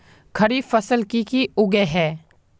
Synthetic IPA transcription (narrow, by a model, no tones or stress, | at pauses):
kʰəɾiːfəsəlkikiʊɡeɦɛː